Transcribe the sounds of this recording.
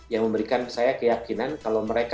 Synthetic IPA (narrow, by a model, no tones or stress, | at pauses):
jaŋməmbəɾikansajakəjakinankalawməɾek